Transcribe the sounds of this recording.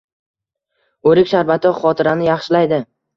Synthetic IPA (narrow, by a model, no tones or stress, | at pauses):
ɵɾɪkʲʃaɾbat̪ʰɒχɒt̪ʰɪɾanɪjɑχʃɪlajd̪ɪ